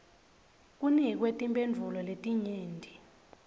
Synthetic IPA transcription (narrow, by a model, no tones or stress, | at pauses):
k̬ʼunik̬wetʼimbʼend͡vʱulɔletʼiɲiːndʱi